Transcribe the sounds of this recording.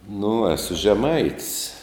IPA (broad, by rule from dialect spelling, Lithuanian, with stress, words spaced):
nʊ ˈæːsʊ ʒʲɛˈmɐɪtʲsʲ